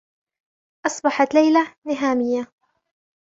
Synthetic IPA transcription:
ʔɑsˤbɑħɑt̪lajlanɪɦaːmɪjːa

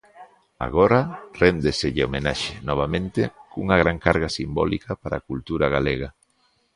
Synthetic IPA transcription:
a̰ɣoɾarend̪eseʎɪomenaʃenɔβ̞amẽnt̪ekuŋaɣ̞ɾaŋkaɾɣasimbɔ̰likapaɾakult̪uɾaɣaleɣa

